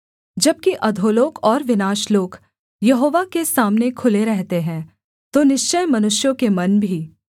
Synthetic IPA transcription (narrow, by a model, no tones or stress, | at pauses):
d͡ʒɐb̚kiʔɐd̪ʱoːloːkɔːɾʋɪnaːʃloːɡ | jɐɦoːʋakesaːmnekʰʊleɾɛɦt̪eɦɛ̃ː | t̪onɪʃt͡ʃəjmɐnʊʃjõkemɐnbʱiː